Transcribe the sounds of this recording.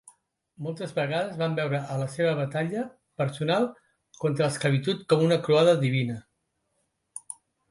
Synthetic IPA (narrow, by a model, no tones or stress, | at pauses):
mɔlˠt̪əzβəɣaðəzβambɛwɾəələseβ̞əβət̪aʎə | pəɾsunalˠ | kɔnt̪ɾəːskləβ̞it̪ut̪kɔmunəkɾuaðəðiβ̞inə